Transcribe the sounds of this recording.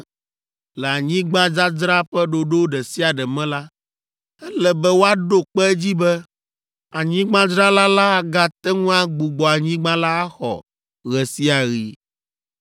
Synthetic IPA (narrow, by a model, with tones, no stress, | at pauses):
lɛ˨a˨ɲĩ˦ɡ͡bã˦d͡ʒa˦d͡ʒɾa˦ɸɛ˦ɖo˨ɖo˦ɖɛ˨si˦a˨ɖɛ˨mɛ̃˦la˦ | ɛ˦lɛ˨bɛ˦wo˦a˦ɖo˦k͡pɛ˦ɛ˦d͡ʑi˦bɛ˦ | a˨ɲĩ˦ɡ͡bã˦d͡ʒɾa˦la˦la˦˨ɡa˦t̪ɛ˦ŋũ˦a˦ɡ͡bu˨ɡ͡bɔ˨a˨ɲĩ˦ɡ͡bã˦la˦a˦xɔ̰˨ | ɣɛ˨si˦a˨ɣi˨